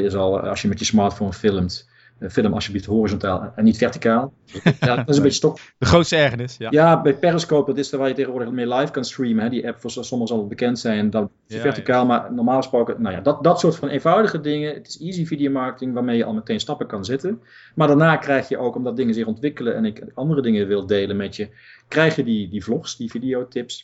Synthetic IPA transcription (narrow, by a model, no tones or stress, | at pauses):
ɪsɑlˠɑ̰sjəmɛtjəsmɑːɹtfownfɪlˠəmt | fɪləmɑ̰sjəbliftɦorizɔntaːlˠɛnːitfɛɹti̥kaːlˠ | nɪsənmbɪtəstɔkdəχrowtstəɛɹχənɪsjaːbɛjpɪrəskoːp̚dɑtɪstəʋaːljətejɣəʋʊːɹdəɣmɪːlajfkɑnstrimənɦɛdiʔɛpfʊːɹssɔməɣəzɑlˠət̚bəkɛntsɛjndɔn | əfɛɹtikaːlˠmaɹnɔɹmaːlˠχəsprowkənawja̰dt̚dɑtsʊːɹtfɑnʔeːnvɑwdəɣədɪŋəətɪ̥sizividijowmɑɹkətɪŋʋaːɹmejəʔɑ̰lˠmətejnstɑpəkɑnzɪtən | maːɹdaːɹnaːkrɛjχjəʔowkɔmdɑt̚dɪŋənzɪχɔntʋɪkələʔɛnɪkɑndərədɪŋəʋɪlˠdejlənmɛtjə | krɛjχjədidivlɔχsdividijowtɪps